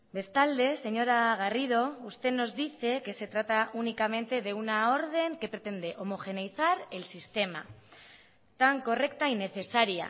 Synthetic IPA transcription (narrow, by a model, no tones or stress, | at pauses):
be̞st̪ald̪e̞se̞ɲo̞ɾaɣ̞arið̞o̞ust̪e̞no̞zðiθe̞ke̞se̞t̪ɾat̪aʔunikame̞nt̪e̞ð̞e̞unao̞ɾð̞e̞ŋke̞pɾe̞t̪e̞nd̪e̞ʔo̞mo̞xe̞nejθaɾe̞lsist̪e̞ma̰ | t̪aŋko̞re̞kt̪aineθe̞saɾia̰